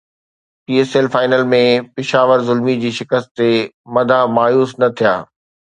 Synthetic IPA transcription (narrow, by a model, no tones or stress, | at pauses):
piːeːseːlfaːɪnəlmẽpɪʃaːʋəɾzʊlmid͡ʑiːʃɪkəst̪t̪e | mɐd̪ʱamaːjuːsnɐt̪ʰijaː